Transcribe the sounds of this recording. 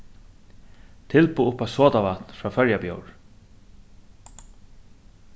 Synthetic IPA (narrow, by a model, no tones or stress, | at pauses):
t̪ʰɪlpuːʊpasoːt̪aʋat̪nfɹɑːfœɹjabjowɹ